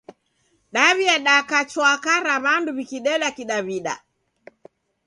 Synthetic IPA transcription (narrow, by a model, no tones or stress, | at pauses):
ɗaβiaɗakat͡ʃwakaɾaβanduβikiɗɛɗakiɗaβiɗa̰